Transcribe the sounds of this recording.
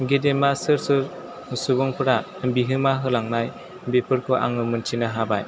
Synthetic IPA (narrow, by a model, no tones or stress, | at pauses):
ɡedemasɯɾsɯɾ | subɔŋpʰɯɾa | ɯmbiɦɯmaɦɯlaŋnaj | bepʰɯɾkʰɔʔa̰ŋɯmɯnt͡ʃʰinaɦabaj